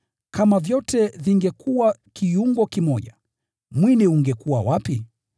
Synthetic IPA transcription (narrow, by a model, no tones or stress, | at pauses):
kʰamavjɔtɛviŋɡɛkuwakijuŋɡɔkimɔʄa | mwiniuŋɡɛkuwa̰wapi